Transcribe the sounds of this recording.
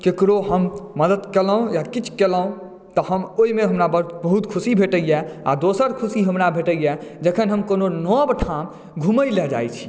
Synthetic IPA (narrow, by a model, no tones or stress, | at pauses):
kekɾoɦəmməd̪əd̪keləõjakit͡ʃʰkeləũ | t̪ɔɦəmoimeɦəmɾabəbəɦut̪kʰusibʱeʈəjɛa̰d̪osəɾkʰusiɦəmɾabʱeʈəijɛd͡ʒəkʰənɦəmkononɔbʈʰam | ɡʱuməjlɛd͡ʒa̰jt͡ʃʰi̥